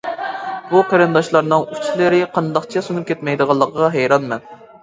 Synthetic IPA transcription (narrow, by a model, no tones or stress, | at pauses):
b̥uqʰeɾɨnd̪ɑʃlˠɑɾnɨŋyt͡ʃʰilɪɾɪqʰɑnd̪ɑqt͡ʃʰɛsunup̚kʲʰɛt̪mɛjd̪əʁɑlˠːəqʰəʁɑɦɛjɾɑnmɛn